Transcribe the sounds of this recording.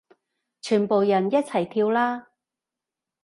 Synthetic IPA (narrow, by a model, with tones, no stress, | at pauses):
t͡ʃʰyː˨˩npo˨wjɐ˨˩njɐ˥t̚t͡sʰɐ˨˩jt̪ʰiː˧wlaː˥